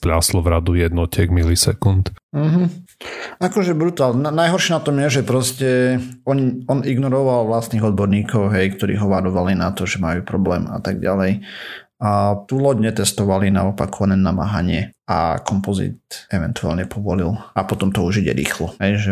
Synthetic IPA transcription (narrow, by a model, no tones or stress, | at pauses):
pʎaslɔvɾad̪ujɛd̪nɔcɛɡmilisɛkunt̪m̩ɦm̩ | akɔʒɛbɾut̪aːlnanajɦɔɾʃɛnat̪ɔmjɛʒɛpɾɔscɛɔɲiɔniɡnɔɾɔʋalʋlast̪niːɣɔd̪̚bɔɾɲiːkɔʊɦɛjkt̪ɔɾḭːɦɔʋaɾɔʋalinat̪ɔʒɛmajuːpɾɔblɛ̰ːma̰t̪aɡɟalɛj | t̪ulɔɟɲɛt̪ɛst̪ɔʋalinaɔpakɔʋanɛnama̰ːɦaɲɪɛa̰kɔmpɔzḭt̪ɛʋɛ̰nt̪ua̰lɲɛpʰɔʋɔlilapɔt̪ɔmt̪ɔuʒiɟɛ̰ɾḭːxlɔɦɛjʒɛ